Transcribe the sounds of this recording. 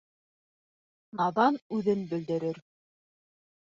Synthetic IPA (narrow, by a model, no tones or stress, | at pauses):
nɑðɑnʉðɘnbɵ̆ld̪ɘ̆ɾɘɾ